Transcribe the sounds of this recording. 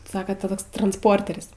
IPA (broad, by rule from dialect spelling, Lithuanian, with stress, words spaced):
ˈsɑːkɐ tɐ ˈtoːks trɐnsˈpoːrʲtʲɛrʲsʲ